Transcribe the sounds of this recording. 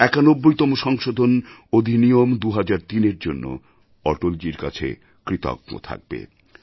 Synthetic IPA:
ɛkanobːojt̪ɔmoʃɔŋʃod̪ʱonod̪ʱinijomd̪uɦad͡ʑaɾt̪ineɾd͡ʑonːo̰ | ɔʈold͡ʑiɾka̰t͡ɕʰḛ | kɾit̪ɔ̰ɡ̚mo̰t̪ʰa̰k̚bḛ

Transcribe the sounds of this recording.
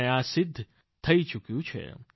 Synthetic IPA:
aːsɪd̪ʱː | t̪ʰɐit͡ʃʊkjũt͡ʃʰḛ

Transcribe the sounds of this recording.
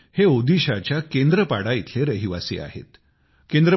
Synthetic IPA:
heod̪iɕat͡ɕjakend̪ɾəpaɽait̪ʰleɾəɦiʋa̰sḭːa̰ɦḛt̪ | kend̪ɾə

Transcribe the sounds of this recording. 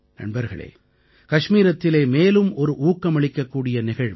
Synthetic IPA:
nɐ̰ɳbɐɾɣɐ̰ɭḛː | kɐʂmiːɾɐt̪ːɪleːmeːlɯmɔɾɯʔuːkːɐmɐɭɪkːɐkːuːɽɪjɐnɪɣɐɻ

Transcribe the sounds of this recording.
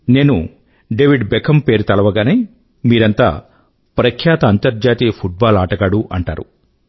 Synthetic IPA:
ne̞ːnu | ɖeːʋiɖbekʰɐmpe̞ːɾut̪ɐlɐʋɐɡaːneː | miːɾɐnt̪a̰ː | pɾɐkʰjaːt̪ɐːnt̪ɐɾd͡ʒaːt̪iːɐpʰuʈ̚baːlaːʈɐɡaːɽuʔɐɳʈa̰ːɾṵ

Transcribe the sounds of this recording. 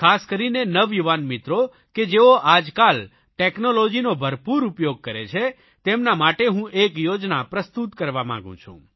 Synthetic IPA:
kʰaskəɾinenəʋjuʋanmɪt̪ɾo | ked͡ʒeoʔad͡ʒkal | ʈeknolod͡ʒinobʱəɾpuɾupjoɡ̚kəɾet͡ʃʰe | t̪emnamaʈeɦũʔekjod͡ʒnapɾəst̪ut̪kəɾʋamã̰ŋɡṵ̃t͡ʃʰṵ̃

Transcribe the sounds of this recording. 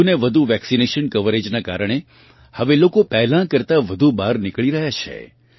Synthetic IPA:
uneʋəd̪ʱuʋɛksineʃənkəʋəɾed͡ʒnaka̰ɾəɳ̃e | həʋelokopɛɦlãkəɾt̪aʋəd̪ʱubaɾnɪkɭiɾəɦjat͡ʃʰḛ

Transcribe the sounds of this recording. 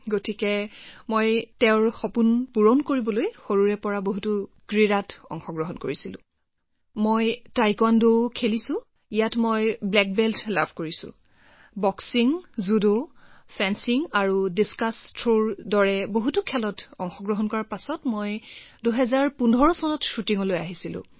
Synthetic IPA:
ɡotikɛmojtɛʊɹxɔpunpuɹɔnkoɹibɔlojxoɹuɹɛpɔɹaboɦutu | ɡ̥ɹiɹatɔ̰ŋxɔɡɹɔɦɔnkoɹisilʊ̰̃ | mojtajkɔndokʰelisʊ̃ | ijatmojblɛk̚bɛltla̰bʱkoɹisʊ̰̃ | bɔksiŋzudopʰɛnsiŋaɹudiskastʰɹoɹdɔɹɛboɦutukʰɛlɔtɔŋxɔɡɹɔɦɔnkɔɹaɹpasɔtmojduɦɛzaɹpundʱɔɹɔsɔnɔtʃutiŋɔlojaɦisilʊ̰̃

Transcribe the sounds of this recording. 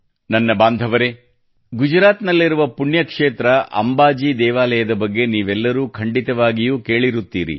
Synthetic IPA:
nɐnːɐbaːnd̪ʱɐʋɐɾe̞ | ɡud͡ʒɾaːt̪nɐlːiɾuʋɐpuɳjɐkʂeːt̪ɾɐʔɐ̰mbaːd͡ʒiːd̪ɛːʋaːlɐjɐd̪ɐbɐɡːe̞niːʋɛlːɐɾuːkʰɐɳɖit̪ɐʋaːɡijuːke̞ːɭiɾut̪ːḭːɾḭ

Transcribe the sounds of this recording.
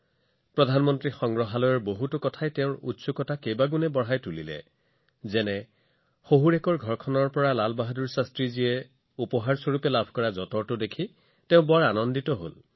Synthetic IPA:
pɹɔdʱanmɔntɹixɔŋɡɹɔɦalɔjɔɹboɦutʊkɔtʰajtɛʊ̃ɹṵtsukɔtakejbaɡunɛbɔɹɦajtulḭlɛ̰ | zɛnɛ | xoɦuɹɛkɔɹɡʱɔɹkʰɔnɔɹpɔɹalalbaɦaduɹsastɹiziɛ | upɔɦaɹsoɹupɛlabʱkɔɹazɔtɔɹtʊdekʰi | tɛʊ̃bɔɹanɔnditɔɦo̰l

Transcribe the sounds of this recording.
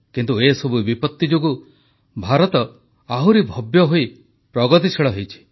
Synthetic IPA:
kint̪uesɔbubipɔt̪ːid͡ʒoɡu | bʱaɾɔt̪ɔ | aɦwɾibʱɔbjɔɦoi | pɾɔɡɔt̪̬it͡ʃʰeɭɔɦejt͡ʃʰi̥

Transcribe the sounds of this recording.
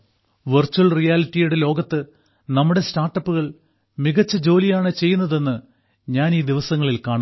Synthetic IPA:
ʋɨrt͡ɕːuɐlrijaːlitːijuɽe̞lo̞ːɡɐt̪ːɨ | nɐmːuɽe̞staːrʈːɐpːuɣɐɭ | miɣɐt͡ɕːɐd͡ʑo̞ːlijaːɳɨt͡ɕe̞jːunːɐðe̞nːɨ | ɲaːniːd̪iʋɐsɐŋːɐɭilkaːɳu

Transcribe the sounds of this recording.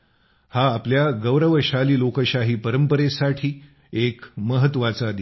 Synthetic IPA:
haːpljaɡəʋɾəʋəɕaliːlokəɕaɦiːpəɾəmpəɾesaʈʰiː | ekməɦət̪ːʋat͡sad̪

